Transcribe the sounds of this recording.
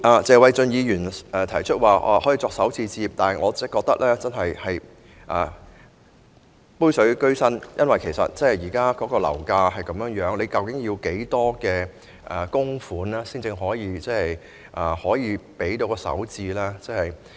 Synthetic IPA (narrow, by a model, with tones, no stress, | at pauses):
ʔaː˨˩t͡sɛː˨˧wɐ˨˧jt͡sɵ˨˧njiː˨˧jyː˨˩nɛ˨˧t̪ʰɐ˨˩jt͡ʃʰɵ˥t̚waː˨ʔa̰ː˨˧hɔː˨˥jiː˨˧t͡sɔː˧ksɐ˨˥wt͡siː˧t͡siː˧p̚t̪aː˨nɐ˨jŋɔː˨˧t͡sɛ˥kːɔː˧k̚t̪ɐ˥k̚lɛː˥t͡sɐ˥nɦɐ˨jhɐ˨j | ʔaː˨ | puː˥jsɵ˨˥ɥkɵ˥ɥsɐ˥njʔɐ˥nwɐ˨jkʰe˨˩sɐ̰˨t̚t͡sɛ˥˨jiː˨˩kaː˥kɔː˨˥kɔː˧lɐ̰˨˩wkaː˧hɐ˨jkɐ˨˦mjœː˨˥ŋjœː˨˥ŋle˨˧kɐ˨˧wkɪ˨˥ŋjiː˧wke˨˥jt̪ɔː˥kɛː˧ | ʔɛ˨˩kʊ˥ŋfuː˨˥nlaː˥siː˥ŋt͡sɪ˧ŋɦɔː˨˥jiː˨˧t͡sɛː˥hɐ˨j | ʔaː˨hɔː˨˥jiː˨˧pe˨˥jt̪o˧wkɔː˧sɐ̰˨˥wt͡siː˧laː˥t͡sɛː˥hɐ˨j